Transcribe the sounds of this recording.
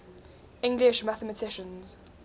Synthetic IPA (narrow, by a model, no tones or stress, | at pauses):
ɪ̃ŋɡlɪʃmaθəmətʰɪʃə̃nz̥